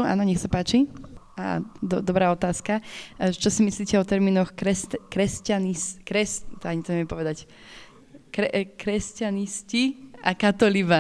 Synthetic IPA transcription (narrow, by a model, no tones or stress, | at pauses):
a̰ːnɔɲɛxsapaːt͡ʃi | a̰d̪ɔd̪ɔbɾaːɔt̪aːskat͡ʃɔsimisliːcɛɔt̪ɛɾmiːnɔxkɾɛskɾɛscaniskɾɛst̪ɔaɲit̪ɔɲɛʋjɛmpɔʋɛd̪ac | kɾɛkɾɛscanisciakat̪ɔliʋa